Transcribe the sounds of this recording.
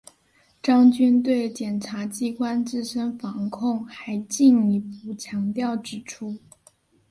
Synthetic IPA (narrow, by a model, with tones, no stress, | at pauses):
ʈ͡ʂɑ˥ŋt͡ɕy˥nt̪we˥˩ɪt͡ɕjɛ˨˩nʈ͡ʂʰa˧˥t͡ɕi˥kwa˥nt͡sɹ̩˥˧ʂə˥nfɑ˧˥ŋkʰʊ˥˩ŋxa˧˥ɪt͡ɕi˥˩ni˧˥pu˥˩t͡ɕʰjɑ˧˥ŋt̪jɑ˥˩ʊʈ͡ʂɻ̩˨˥˩ʈ͡ʂʰu˥